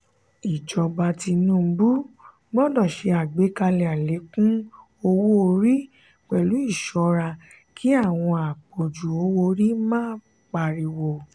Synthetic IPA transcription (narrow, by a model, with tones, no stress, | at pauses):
i˨d͡ʒɔ˧ba˧ti˧nũ˦˨˧bu˦ | ɡ͡bɔ˦dɔ˦˨ʃe˧a˨ɡ͡be˨˦ka˧lɛ˧˨a˨le˨˦kũ˦ | o˧wo˦o˧ɾi˦ | k͡pɛ˨lu˨˦i˦˨ʃɔ˧ɾa˧ | kʰi˨˦a˦˨w̃ɔ̃˧a˨k͡po˨d͡ʒu˨o˨˧˦wo˧ɾi˦mãː˦˨˦ | k͡pa˧ɾi˧wo˨